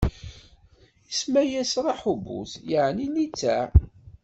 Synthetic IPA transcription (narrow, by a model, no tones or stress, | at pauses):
ismæjæsɾˤɑħubṵθjəʕninit͡sːæ